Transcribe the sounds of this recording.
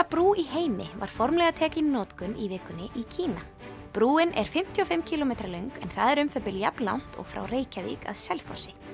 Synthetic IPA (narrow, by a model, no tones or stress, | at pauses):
apɾuːiɦeːjmɪ̰va̰ɾ̥fɔɾmlɛɣat̪ʰɛːcɪnnːɔːt̪kʏnivɪːkʏnːɪʔicʰiːna | pɾuːɪnʔɛɾ̥fɪm̥t̪ʰjiɔfɪmːcʰiːlɔmejt̪ɾalœɥŋkɛ̰nθaðɛɾʏmfœpɪlja̰pnla̰wn̥t̪ɔ̰ɣfɾa̰wreːjcavḭːka̰ðsɛlfɔ̰sɪ